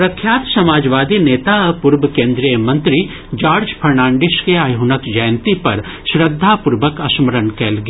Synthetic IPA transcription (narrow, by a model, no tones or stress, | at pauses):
pɾɐkʰjaːt̪sɐmaːd͡ʒʋaːd̪ineːt̪apʊɾbəkẽːnd̪ɾijəmɐ̃nt̪ɾi | d͡ʒaːɾd͡ʒpʰɐɾnãːɳɖɪʃkeaːjɦunəkd͡ʒɐjnt̪ipɐ̰ɾ | ʃɾəd̪ʱːapʊɾʋəkɐsməɾənkɛːlɡ